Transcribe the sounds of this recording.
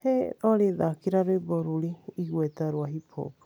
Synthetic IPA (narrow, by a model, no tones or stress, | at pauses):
heɔɾeðakiɾaɾeboɾuliiɣwet̪aɾwaɦipʰo̰kḁ